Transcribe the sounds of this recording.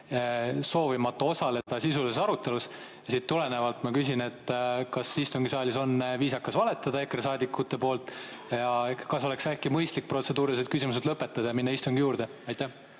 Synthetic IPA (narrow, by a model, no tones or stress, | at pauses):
so̞ːvimɑt̪ːˑuo̞sɑle̞d̪̥ɑsisulesɑɾut̪ːˑe̞lus | jɑsiːt̪ːule̞ne̞vɑlt̪mɑkysʲine̞t̪ːkɑsist̪uŋɡisɑːlʲiso̞nviːsɑkːɑsvɑle̞t̪ːˑɑd̪̥ɑe̞kres̬ɑːd̪ikːut̪ːˑe̞po̞ːlt̪ːˑ | jɑkɑso̞le̞ksækːˑimɤjst̪lik̚pro̞t̪se̞d̪uːɾilised̪̚kysʲimus̬e̞d̪lɤpːˑe̞t̪ːɑd̪ɑjɑminːɑist̪uŋɡijuːɾd̪̥e̞ɑjt̪ːæh